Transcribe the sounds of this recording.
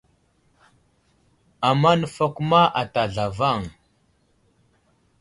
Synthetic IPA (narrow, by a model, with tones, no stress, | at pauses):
a˨ma˦nə˨fa˦ku˦ma˦ʔa˨ta˨ɮa˨va˦˨ŋ